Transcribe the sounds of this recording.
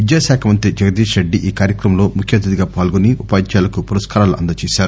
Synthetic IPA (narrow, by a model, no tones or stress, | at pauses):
ʋid̪jaːʃaːkʰɐmɐnt̪ɾid͡ʒɐɡɐd̪iːʃɾeɖːiʔiːkaːɾjɐkɾɐmlo̞ːmukʰjɐd̪ɐd̪iɡaːpaːlɡoniupaːt͡ʃaːlɐkupuɾɐskaːɾaːluʔɐ̰nd̪ɐt͡ʃɛːʃaːɾu